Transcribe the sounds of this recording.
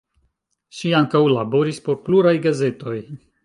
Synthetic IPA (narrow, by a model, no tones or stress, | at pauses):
ʃiaŋkawlabo̞ɾispo̞ɾpluɾajɡaze̞to̞j